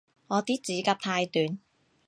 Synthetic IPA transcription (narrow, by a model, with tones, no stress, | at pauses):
ŋɔː˨˧t̪iː˥t͡siː˨˥kaː˧p̚t̪ʰaː˧jt̪yː˨˧n